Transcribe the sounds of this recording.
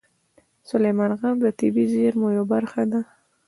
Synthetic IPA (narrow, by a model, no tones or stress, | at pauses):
sʊlejmɑnɣamd̪ət̪ɪbizeɾmojobaɾxad̪a